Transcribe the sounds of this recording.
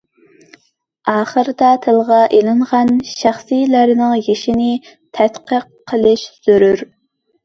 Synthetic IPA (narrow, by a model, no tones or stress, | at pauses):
ɑːχəɾɨd̪ɑt̪ʰɨlˠʁɑʔelɪɴʁɑnʃæχsijlæɾnɪŋjeʃinɪ | t̪ʰɛt̪qʰəqʰːəlˠɨʃz̥yɾyɾ